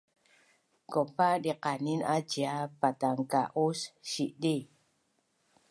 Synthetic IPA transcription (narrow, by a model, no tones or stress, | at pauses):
kɔpaʔdiqaninad͡ʒiapat̪aŋka̰ʔusʃiʔdi